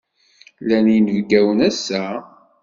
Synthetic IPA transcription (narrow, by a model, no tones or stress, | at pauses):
lænjənəvɡæwənæsːæ